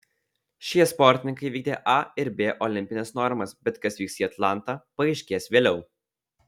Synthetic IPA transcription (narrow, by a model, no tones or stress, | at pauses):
ʃʲiɛspɔɾʲt̪ʲɪnʲɪŋkɐɪʋʲiːɡ̚ʲd̪ʲeːʔɐɪɾbʲeːʔɔlʲɪmʲpʲɪnʲɛsnɔɾmɐsbʲɛt̪kɐsʋʲiːksʲiːɐt̪lˠɑˑnˑt̪ɑpɐɐɪʃʲkʲeːsʋʲeːlʲɛʊ